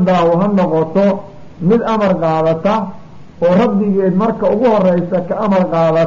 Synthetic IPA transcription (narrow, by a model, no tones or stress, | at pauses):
d̪aːwʊɦɐnɔqɔt̪ʰɔ | mɪd̪ɐmɐrqɑːðɐt̪ʰɐ | ɔːrɐb̪ɪɣɛd̪mɐrkʰɐʊɣʊhɔrɛjsɐkʰɐʔːmɐrqɑːðɐ